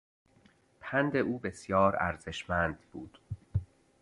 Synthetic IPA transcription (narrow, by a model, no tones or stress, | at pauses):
pʰænd̪e̞ʔuːbe̞sjɒːɾæ̰ɾze̞ʃmænd̪buːd̪̥